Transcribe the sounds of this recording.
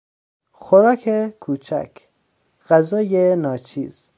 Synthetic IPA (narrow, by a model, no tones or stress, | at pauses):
xoɾɒːkʰekʰuːt͡ʃʰæ̰kʰ | ɢ̥æzɒːjenɒːt͡ʃʰḭːz̥